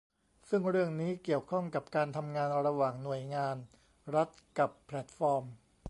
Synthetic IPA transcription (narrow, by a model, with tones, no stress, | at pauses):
sɯ˥˩ŋɾɯ˥˩əŋniː˦˥ki˨˩əwkʰɔ˥˩ŋka˨˩p̚kaː˧nt̪ʰa˧mŋaː˧nɾa˧waː˨˩ŋnu˨˩əjŋaː˧n | ɾa˦˥t̪̚ka˨˩pʰːlɛ˨˩t̪̚fɔː˧m